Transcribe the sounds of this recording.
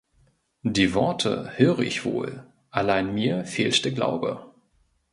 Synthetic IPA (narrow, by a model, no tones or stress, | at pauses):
d̥iːvɔɐtʰə̰høːʁəʔɪçv̥o̰ːl | ʔalaɪnmiːɐfeːltd̥ɛːɐɡla̰ʊbə̰